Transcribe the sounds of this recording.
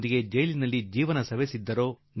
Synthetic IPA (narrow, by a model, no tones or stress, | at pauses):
d̪iɡed͡ʒɐjlinɐlːid͡ʒiːʋɐnɐsɐʋesid̪ːɐɾo̞ː | n